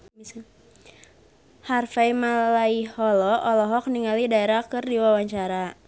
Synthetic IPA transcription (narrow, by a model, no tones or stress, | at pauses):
harfajmalaihɔlɔʔɔlɔɦɔk̚niŋalidaeɾakɨrdiwawaɲt͡ʃaɾa